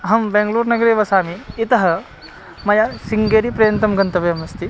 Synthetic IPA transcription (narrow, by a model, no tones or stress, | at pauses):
ɦɐmbẽːŋɡluːɾnɐɡɐɾeːʋɐsaːmiːt̪ɐɦɐ | mɐjɐsiŋɡeːɾipɾɐjɐnt̪ɐmɡɐnt̪ɐʋjɐmɐst̪i